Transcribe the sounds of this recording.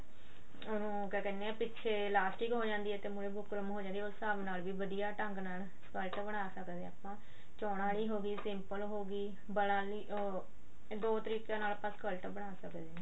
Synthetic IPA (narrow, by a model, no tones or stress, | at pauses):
ʊnũːkɛkɛːneɛːpɪtːt͡ʃʰeːlaːsʈiːkɦoːd͡ʒãːnd̪iːɛːt̪eːmʊɾeːbʱʊkɾəmɦoːd͡ʒãːnd̪iːosaːʋnaːlʋiːʋəd̪ijaːʈəŋɡnaːl | skəlʈbəɽ̃aːsəkd̪eːaːpãː | t͡ʃɔːɽaːliːɦoːɡiːsɪmpəlɦoːɡiː | bəɽaːliː | d̪oːt̪əɾiːkjãːnaːlaːpãːskəlʈbəɽ̃aːsəkd̪eː